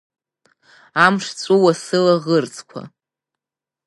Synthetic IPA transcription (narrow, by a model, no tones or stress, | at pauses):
amʂt͡sʷʼowasɨlaʁərt͡sʰʼkʷʰa̰